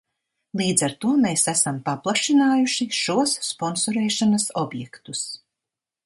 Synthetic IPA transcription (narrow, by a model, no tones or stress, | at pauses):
lˠiːd̪zaɾt̪uɔmeːsæsampaplˠaʃinaːjuʃiʃuɔsːpɔnsɔɾɛːʃanɐsɔbjɛkt̪us